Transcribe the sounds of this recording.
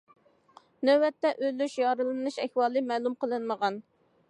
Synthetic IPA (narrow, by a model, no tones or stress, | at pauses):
nøwɛt̪ːɛʔølyʃjɑːɾɨlˠɨnɨʃɛhwɑːlˠɨmɛːlˠumqəlˠɨnməʁɑn